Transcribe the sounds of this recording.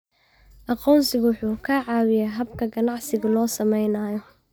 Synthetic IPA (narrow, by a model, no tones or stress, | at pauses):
ʔɑqɔːnsɪɣwʊħuːkʰaʕɑːwɪjaɦɐbkʰɐɡɐnɑʕsɪɣɐlɔːsɐmɛjnaːjɔ